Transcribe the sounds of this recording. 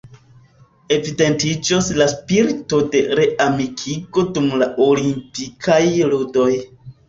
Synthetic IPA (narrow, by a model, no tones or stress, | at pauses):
e̞vide̞ntid͡ʒoslaspiɾtode̞ɾe̞ʔamikʰiɡo̞dumlaʔo̞limpikʰajludo̞j